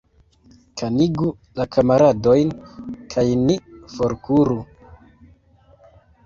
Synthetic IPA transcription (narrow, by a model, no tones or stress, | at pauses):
kʰaniɡu | lakʰamaɾado̞jnkʰajnifoɾkuɾu